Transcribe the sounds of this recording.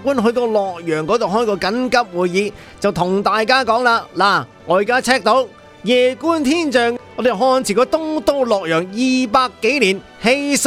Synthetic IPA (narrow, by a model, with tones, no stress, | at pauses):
kuː˥nɦɵ˧t̪o˧wlɔː˨k̚jœː˨˩ŋkɔː˨˥t̪o˨wɦɔː˥jkɔː˧kɐ˨˥nkɐ˥p̚wuː˨jjiː˨˧ | t͡sɐ˨wt̪ʰʊ˨˩ŋt̪aː˨jkaː˥kɔː˨˥ŋlaː˧laː˨˩ŋɔː˨˧jiː˨kaː˥t͡sʰɛː˥k̚t̪o˧˥w | jɛː˨kuː˥nt̪ʰiː˥nt͡ʃœː˨ŋŋɔː˨˧˥d̪e˨˩ɦɔː˧nt͡sʰiː˨˩kɔː˧t̪ʊ˥ŋt̪o˥wlɔː˨˩k̚jœː˨˩ŋjiː˨paː˧kːe˨˥jliː˨˩n | he˧js